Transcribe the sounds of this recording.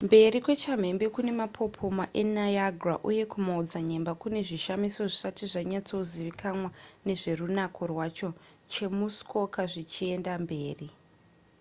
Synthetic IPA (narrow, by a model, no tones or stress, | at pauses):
mbe̞ɾikwe̞t͡ʃam̤e̞mbe̞kune̞mapʰo̞pʰo̞maʔenajaɡʱraʔuje̞kumaud͡zaɲe̞mbakune̞ʐiʃamiso̞ʐisatiʐaɲat͡so̞ziʋikʰamwane̞ʐe̞runakʰorwat͡ʃo̞ | t͡ʃe̞musko̞kaʐit͡ʃie̞ndambe̞ːri